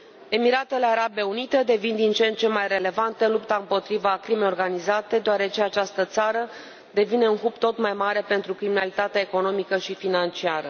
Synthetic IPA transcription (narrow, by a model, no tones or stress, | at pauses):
e̞miɾat̪e̞le̞aɾabe̞unit̪ed̪e̞vind̪int͡ʃe̞nt̪̚t͡ʃe̞majre̞le̞vant̪elupt̪aɨmpo̞t̪ɾivakɾimejo̞rɡanizat̪e̞d̪eaɾe̞t͡ʃe̞at͡ʃast̪ət̪saɾə | d̪e̞vine̞unɦupt̪o̞t̪majmaɾe̞pe̞nt̪ɾukɾiminalit̪at̪eaeko̞no̞mikəʃifinant͡ʃiaɾə